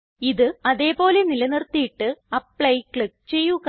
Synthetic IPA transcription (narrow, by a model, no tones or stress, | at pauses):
iðɨɐðe̞ːpo̞ːlenilɐnirt̪ːijiʈːɨɐpɭɐjkɭik̚t͡ɕe̞jːuɣ